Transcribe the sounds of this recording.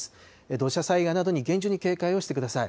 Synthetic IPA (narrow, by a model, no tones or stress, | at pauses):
sɨ̥ | ed̪o̞ɕasaiɡanad̪o̞ɲ̟iɡẽ̞ɲ̟d͡ʑɨɲ̟ike̞ːkaio̞ɕi̥t̪e̞kɯd̪asaḭ